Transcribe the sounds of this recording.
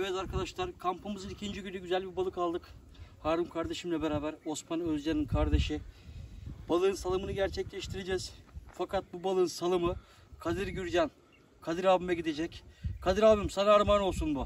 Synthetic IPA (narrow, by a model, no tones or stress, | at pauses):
evɛt̪aɾkʰad̪aʃlˠaɾkʰampʰɯmɯzɯnicʰind͡ʒiɟynyɟyzælʲbibalˠɯkʰalˠd̪ɯk | haːɾɯmkʰaɾd̪e̞ʃɯmlʲɛbeɾaːbæɾo̞smanøzd͡ʒaninkʰaɾd̪e̞ʃɯ | b̥alˠɯːnsalˠɯmɯnɯɟæɾt͡ʃʰɛclʲɛʃt̪ʰiɾed͡ʒɛz̥fakat̪̚bubalˠɯnsalˠɯmɯ | kʰad̪ɯɾɟyɾɟæn | kʰad̪ɯɾaːbɯmɛɟid̪ed͡ʒɛckʰad̪ɯɾaːbɯmsanaɾmano̞lˠsunbu